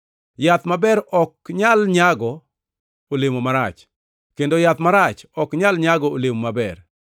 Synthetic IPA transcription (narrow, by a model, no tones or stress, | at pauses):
jat̪mabɛɾɔk̚ɲalɲaɡɔ | olemomaɾat͡ʃ | kendojat̪maɾat͡ʃɔkɲalɲaɡɔolemomabɛ̰r